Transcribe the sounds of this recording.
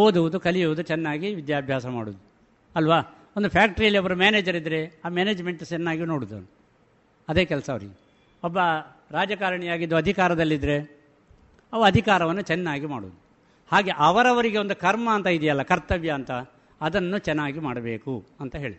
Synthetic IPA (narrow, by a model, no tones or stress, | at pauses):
oːd̪uʋud̪ukɐlijuʋud̪ut͡ʃɛnːaːɡiʋid̪jaːbʱjaːsɐma̰ːɽuːd̪u | ɐlʋaː | o̞nd̪upʰaːk̚ʈɐɾijɐlːiɔbɐɾumaːneːd͡ʒɐɾid̪ːɾe̞aːmeːneːd͡ʒme̞ɳʈut͡ʃɛnːaːɡino̞ːɽud̪ɐ̰nu | ɐd̪e̞ːkɛlɐsɐʋɐɾḭɡe | ɔbːɐ | ɾaːd͡ʒɐkaːɾɐɳijaːɡid̪ːuɐd̪ʱikaːɾɐd̪ɐlːid̪ɾe̞ | ɐʋɐɐd̪ʱikaːɾɐʋɐnːut͡ʃɛnːaːɡimaːɽṵd̪u | haːɡe̞ʔɐʋɐɾɐʋɐɾiɡe̞o̞nd̪ukɐɾmɐːnt̪ɐid̪ijɐlːɐkɐɾt̪ɐʋjɐːnt̪ɐː | d̪ɐnːut͡ʃɛnːaːɡimaːɽɐbe̞ːkuɐnt̪ɐɦe̞ːɭid̪